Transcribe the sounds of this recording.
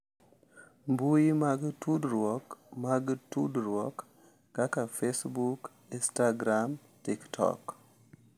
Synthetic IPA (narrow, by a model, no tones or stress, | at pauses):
mbujimaɡtudɾwɔkmaɡtudɾwɔkː | akafesbuk | instaɡɾam | tiktʰɔ̰k